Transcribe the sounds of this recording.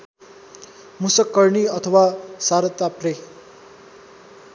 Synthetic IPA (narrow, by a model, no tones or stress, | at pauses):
musʌkːʌɾniʌt̪ʰʌwasaɾʌt̪ːapre